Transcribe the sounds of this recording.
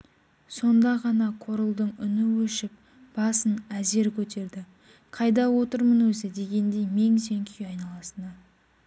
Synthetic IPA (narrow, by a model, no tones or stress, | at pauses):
so̞nd̪ɑʁɑnɑqʰo̞ɾəlˠd̪əɴʏ̰nɪwɵʃɪp̚ | b̥ɑsənæze̞ɾkʲʰɵt̪e̞ɾd̪ɪ | qʰɑjd̪ɑwo̞t̪əɾmənwɵzɪd̪e̞ɡʲe̞nd̪e̞jme̞ŋse̞ŋkʲʰʏjɑjnɑlˠɑsənə